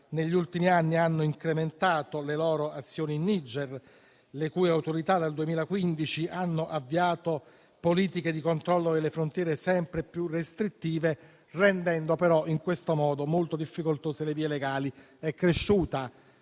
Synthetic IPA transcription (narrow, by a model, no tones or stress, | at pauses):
neʎːult̪imianːianːoiŋkɾement̪aːt̪olelɔːɾoat̪sːjoːniːnːid͡ʒɛr | lekuːjawt̪oɾit̪ad̪ald̪uemiːlakwind̪it͡ʃiʔanːoʔavːiaːt̪o | poliːt̪iked̪ikont̪ɾɔlːod̪elːefɾont̪jɛːɾesɛmpɾepjurest̪ɾit̪ːiːve | rɛnd̪ɛnd̪opeɾɔʔiŋkwest̪omɔːd̪omolt̪od̪ifːikolt̪oːseleviːeleɡaːli | ɛkːɾeʃːuːt̪a